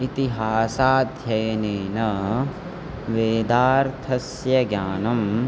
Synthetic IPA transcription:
it̪iɦaːsaːd̪ʱjɐjɐneːnɐ | ʋeːd̪aːɾt̪ʰɐs | jɐɡjaːnɐm

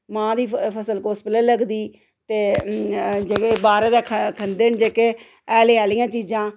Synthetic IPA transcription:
mãːd̪iːpʰəsəlkoːspələːləɡd̪iː | t̪eː | d͡ʒeːkeːbaːɾẽːd̪aːkʰkʰənd̪eːnd͡ʒeːkeː | ɛːleːaːlijãːt͡ʃiːd͡ʒãː

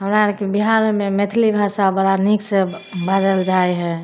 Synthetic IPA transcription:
ɦəmɾakebiɦaɾmemet̪ʰlibʱasabəɽaniksebad͡ʒəld͡ʒaeɦɛ

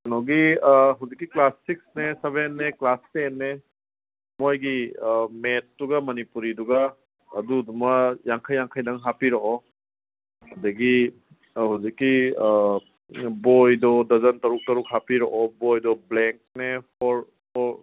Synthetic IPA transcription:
ɐnɔɡiɦawzikːiklasːiksneseβenːeklastenːe | mojɡimet̚duɡɐmɐnipuɾiduɡɐː | dudumɐjaŋkʰajːaŋkʰajdɐŋɦapiɾɔʔɔ | ɐdɐɡi | hawzikːi | bojdɔdɐzɐntɐɾuk̚tɐɾuk̚hapiɾɔʔɔbojdɔbleŋk̚nepʰɔɾ | pʰɔɾ

